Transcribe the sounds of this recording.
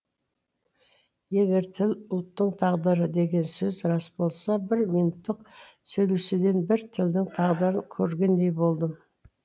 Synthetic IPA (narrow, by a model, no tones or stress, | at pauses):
je̞ɡʲe̞ɾt̪ʰɪlʊlˠt̪ːəɴt̪ʰɑʁd̪əɾəd̪e̞ɡʲe̞nsɵzɾɑsbo̞lˠsɑbɪɾmijnut̪ːəqsɵjlusɪd̪e̞nbɪɾt̪ʰɪld̪ɪŋt̪ʰɑʁd̪əɾəŋkʲʰɵɾɡʲe̞nd̪e̞jbo̞lˠd̪əm